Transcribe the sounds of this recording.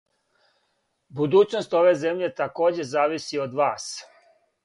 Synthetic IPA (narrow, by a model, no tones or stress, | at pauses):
bud̪uːt͡ɕno̞st̪o̞ʋe̞zemʎe̞t̪ako̞ːd͡ʑe̞zaːʋisio̞d̪ʋaːs